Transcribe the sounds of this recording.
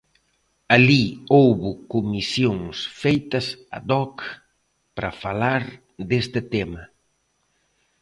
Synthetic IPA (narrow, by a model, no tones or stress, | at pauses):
aliowβʊkumisjoŋsfejt̪ɐsa̰d̪ɔk | pɾɐ̰falaɾ | d̪est̪ɪt̪emɐ